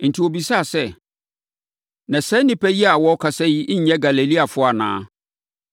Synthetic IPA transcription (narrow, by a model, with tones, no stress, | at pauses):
n̩˨tʰi˨o˨bi˨sa˦˨sɛ˦ | nã˨sɛ̃˦nɪ̃˦pʰɛ˦ji˦a˨wɔ˦kʰa˨sɛ˦ji˦ʔ̩˦ɲɛ̃˦ɡa˨le˨li˦a˨fʊ˦a˨nã̰ː˦